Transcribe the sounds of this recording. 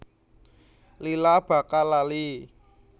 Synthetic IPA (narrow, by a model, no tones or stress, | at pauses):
lilab̥a̤kalali